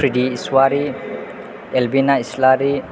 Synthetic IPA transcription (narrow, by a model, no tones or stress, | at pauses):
ɾidiːswaɾi | elbinaislaɾi